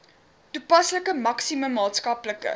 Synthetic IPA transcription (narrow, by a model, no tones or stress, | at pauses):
tupɐsləkəmɐksiməmːɑːtskɐpləkə̰